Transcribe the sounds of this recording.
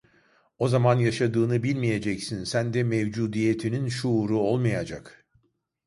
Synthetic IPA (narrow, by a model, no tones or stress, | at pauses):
o̞zamanjaʃad̪ɯːnɯbilʲmije̞d͡ʒɛcsinsænd̪ɛmɛvd͡ʒuːd̪ije̞t̪ʰininʃuːɾuolˠmajad͡ʒak